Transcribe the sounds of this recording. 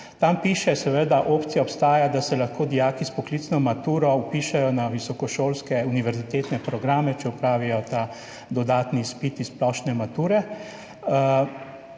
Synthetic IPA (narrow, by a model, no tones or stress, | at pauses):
t̪ampiːʃɛsɛʋəd̪aʔopt̪sijaɔpst̪aːjad̪asɛlaxkoːd̪ijaːkispɔklit̪snɔmat̪uːɾɔupiʃɛjɔnaʋisɔkɔʃoːlskɛuniʋɛɾzit̪eːt̪nɛpɾɔɡɾaːmɛt͡ʃɛupɾaːʋijɔt̪a | d̪ɔd̪aːt̪nispit̪issːplɔʃnɛmat̪uːɾɛ